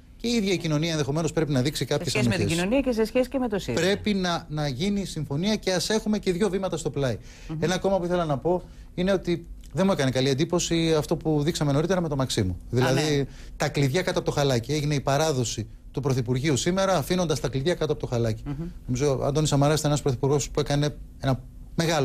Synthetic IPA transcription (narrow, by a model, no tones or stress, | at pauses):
ceiðʝɐicino̞niɐenðexo̞me̞nospɾe̞pinɐðiksikɐpçesɐmieiisnoniɐces̬esçesi̥cemet̪osipɾe̞pinɐnɐʝinisiɱfo̞niɐce̞ɐse̞xume̞ce̞ðʝo̞vimɐt̪ɐst̪o̞plɐi | e̞nɐko̞mɐpuiθelɐnɐpo̞ | ine̞o̞t̪i | ðemue̞kɐnikɐlie̞nd̪ipo̞siɐft̪o̞puðiksɐme̞no̞ɾit̪e̞ɾɐmet̪o̞mɐksimuðilɐði | t̪ɐkliðʝɐkɐt̪oɐpot̪oxɐlɐcie̞ʝine̞ipɐɾɐðo̞si | t̪upɾo̞θipuɾʝiusime̞ɾɐːfino̞nd̪ɐst̪ɐkliðʝɐkɐt̪oɐpot̪oɐlɐci̥no̞mizoɐ̰nd̪onisɐmɐɾɐst̪enɐspɾoθipuɾɣo̞spue̞kɐne̞e̞nɐ | me̞ɣɐlo